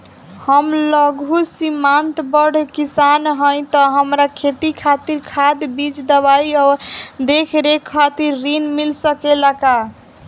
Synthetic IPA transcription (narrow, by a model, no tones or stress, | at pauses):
həmləɡusimant̪bəɽ̤kisanɦəj̃t̪ɔɦəmɾakʰet̪ikʰat̪iɾkʰad̪bid͡ʒd̪əβaiɔːɾd̪ekʰɾekʰːat̪iɾːinmilsəkelaka